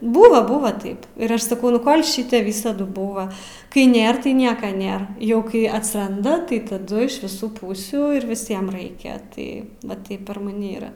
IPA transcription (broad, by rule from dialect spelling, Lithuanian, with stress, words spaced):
ˈbuːʋɐ ˈbuːʋɐ ˈtɐɪp ɪr ˈɐʃ sɐˈkɐʊ nʊ ˈkoːlʲ ˈʃʲɪtʲɛ ˈʋʲiːsɐdʊ ˈbuːʋɐ kɐɪ ˈnʲeːr tɐɪ ˈnʲiɛkɐ ˈnʲeːr ˈjɛʊ ˈkɐɪ ɐtsˈrɐndɐ tɐɪ tɐˈdʊ ɪʃ ʋʲɪˈsuː ˈpuːsʲuː ˈɪr ʋʲɪˈsʲiɛm ˈrɐɪkʲɛ ˈtɐɪ ʋɐ ˈtɐɪp pʲɛr mɐˈnʲɪ ˈiːrɐ